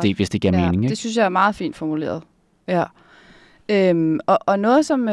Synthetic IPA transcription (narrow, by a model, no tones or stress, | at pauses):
e̝̰ːʋe̝sd̥e̝ɡ̥iɐme̝ːnɪ̝ŋdesynsjɑ̈æɐmɑ̈ːð̩ˠfḭːnd̥fɒmule̝̰ːɐð̞ˠ | jæ | ømɒ̽ʔɒ̽nɔ̽ːð̩ˠsɒ̽m